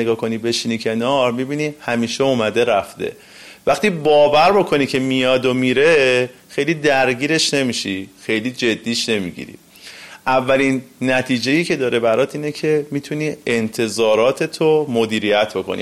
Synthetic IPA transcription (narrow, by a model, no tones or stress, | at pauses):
eɡɒːkʰo̞nibe̞ʃinicʰe̞nɒɾmibiːniːhæmiːʃeumæd̪e̞ɾæft̪e̞̰ | væxt̪iːbɒːvæɾbo̞kʰo̞nicʰe̞mijɒːd̪omiɾe̞ | xe̞jliːd̪æɾɟiːɾe̞ʃne̞miʃixe̞jliːd͡ʒe̞d̪ːiːʃne̞mḭɟḭɾḭ | ʔævːælinːæt̪ʰiːd͡ʒe̞jiːcʰe̞d̪ɒːɾe̞bæɾɒːt̪ʰiːnecʰe̞mit̪ʰuniːent̪ʰe̞zɒːɾɒːt̪ʰe̞t̪ʰomod̪iːɾijæt̪ʰbo̞kʰonḭ